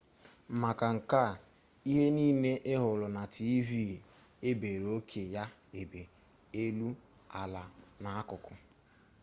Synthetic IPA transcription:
m̩˨ma˨ka˨ŋ̩˨ka˦˨ | i˦ɦe˦niː˦ne˦ʔɪ˦ɦʊ˨lʊ˨na˨tʰi˦vi˦˨ | e˦be˨ɾo˦kʰe˨ja˦ | e˨be˨ | e˦lu˦ | a˨la˨na˨a˦kʊ˨kʊ˦

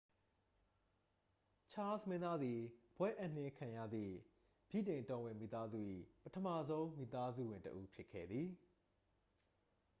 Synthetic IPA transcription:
t͡ɕʰa˦smɪ̃˦nd̪a˦d̪ði˨b̥wɛ˦ʔã˦˨n̥ɪ˦kʰã˨jä̰˦˨d̪ðḭ˦˨ | b̥jḭ˦˨tẽ˨ɪ̃˨tɔ̃˨wɪ̃˨mḭ˦˨t̪a˦zṵ˦˨ʔḭ˦˨pətʰəma˦˨zõ˦ʊ̃mḭ˦˨t̪a˦zṵ˦˨wɪ̃˨ntə̰˦ʔu˦pʰjɪ˦kʰːɛ̰˦˨d̪ði˨

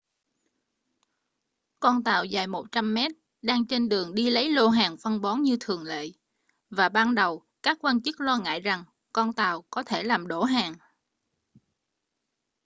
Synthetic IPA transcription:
kɔ˧nt̪a̰ː˧˨wzaː˨˩jmo˨˩t̚t͡ɕa˧mːɛ˦˥t̚ | ɗaː˧ŋt͡ɕe˧nɗɨ˨˩əŋɗi˧lə˨˦jlo˧ɦaː˨˩ŋfə˧nɓɔ˨˦nɲɨ˧t̪ʰɨ˨˩əŋlḛ˧˨ | vaː˨˩ɓaː˧nɗə˨˩w | kaː˦˥kːwaː˧nt͡ɕɨ˦˥k̚lɔː˧ŋa̰ː˧˨jza˨˩ŋ | kɔ˧nt̪a̰ː˧˨wkɔ˨˦t̪ʰe˧˩laː˨˩mɗo˧˩ɦaː˨˩ŋ

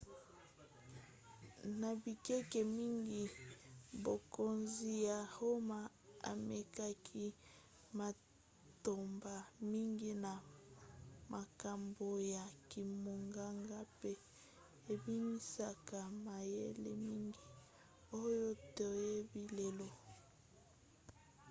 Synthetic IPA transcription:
na˨bi˨kɛ˦ke˨mi˦ŋɡi˦ | bo˨ko˨nzi˨ja˨ho˦ma˨ | a̰˨me˨ka˦kʰi˦ | ma˨ | to˨mba˨mi˦ŋɡi˦na˨ | ma˨ka˨mbo˨ja˨ki˨mo˨ŋɡa˦ŋɡa˦pe˦ | e˨bi˦mi˦sa˦ka˨ma˨jḛ˦lḛ˨mi˦ŋɡi˦ | o˦jo˦to˨je˦bi˨le˨lo˦

